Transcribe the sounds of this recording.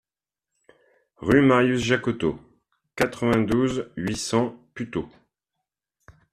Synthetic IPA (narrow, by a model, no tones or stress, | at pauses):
ʁymaʁjysʒakɔt̪o | kat̪χəvɛ̃d̪uzɥisɑ̃pyt̪o